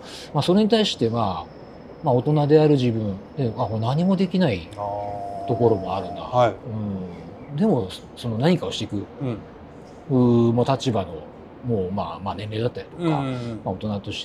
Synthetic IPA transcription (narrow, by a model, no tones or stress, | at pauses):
maso̞ɾe̞ɲ̟it̪aiɕi̥t̪e̞ma | mao̞t̪o̞nad̪e̞aɾɯ̟ʑibɯ̟̃ɴd̪e̞akonaɲ̟imo̞d̪e̞kʲinai | t̪o̞ko̞ɾo̞mo̞aɾɯ̟̃nd̪a̰ɯ̟̃ɴ | d̪e̞mo̞ | so̞no̞naɲ̟ikao̞ɕi̥t̪eikɯ̟ | ɯ̟ːmot̪at͡ɕibano̞ | mo̞ːma̰manẽ̞nɾe̞ːd̪at̪ːaɾʲi̥t̪o̥kamao̞t̪o̞nat̪o̞ɕi̥t̪e